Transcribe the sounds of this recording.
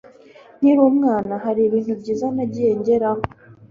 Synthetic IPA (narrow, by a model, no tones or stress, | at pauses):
n̥iɾumŋaːnaɦaɾiβiːnhubɟiːzanaɟijeɲɟe̞ɾaho